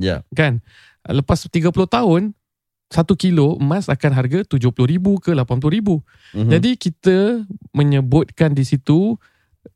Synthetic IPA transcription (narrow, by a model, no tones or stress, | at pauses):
ja̰kan̰ | ləpast̪iɡapulʊht̪aʊn | sat̪ukiloəmãsakanɦarɡat̪ud͡ʒʊhpulʊhɾibukəlapanpulʊɾibu | d͡ʒadikit̪əmə̃ɲəbʊt̪̚kandisit̪u